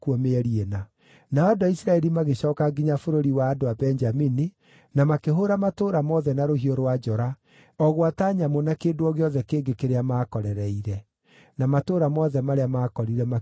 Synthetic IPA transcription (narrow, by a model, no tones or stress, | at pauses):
kuɔmeɛɾiena | naɔdɔisɾaɛɾimaɣeɕɔːkaɡiɲafoɾoɾiwaːdoabɛnd͡ʒamini | namakeɦoɾamatoːɾamɔðɛnaɾoɦioɾwad͡ʒɔɾa | ɔɣwataɲamonakeːdoɔɣeɔðɛkeːŋɡekeɾeamaːkɔɾɛɾɛiɾɛ | namatoːɾamɔðɛmaɾeamaːkɔɾiɾɛma